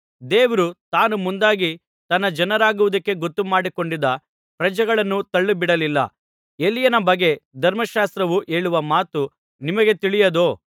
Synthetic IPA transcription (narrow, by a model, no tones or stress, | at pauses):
d̪eːʋɐɾut̪aːnumund̪aːɡi | t̪ɐnːɐd͡ʒɐnɐɾaːɡuʋud̪ɐkːe̞ɡot̪ːumaːɽiko̞ɳɖid̪ːɐ | pɾɐd͡ʒɐɡɐɭɐnːut̪ɐɭːubiɽɐlilːɐ̰ | elːijɐnɐbɐɡe̞d̪ʱɐɾmɐʃaːst̪ɾɐʋuʔe̞ːɭuʋɐmaːt̪u | nimɐɡe̞t̪iɭijɐd̪oː